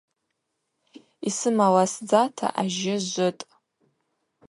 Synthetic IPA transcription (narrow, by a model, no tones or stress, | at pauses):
isɨmawasd͡zatʰa̰ʔaʒɪʒʷʊtʼ